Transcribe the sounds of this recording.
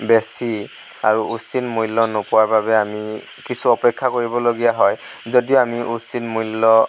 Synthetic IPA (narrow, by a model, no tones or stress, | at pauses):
besi | a̰ɹuusinmujlːɔnopʊwaɹbabɛami | kisʰuɔpɛkʰːakoɹibɔloɡijaɦɔj | zodioamiʔusinmujlːɔ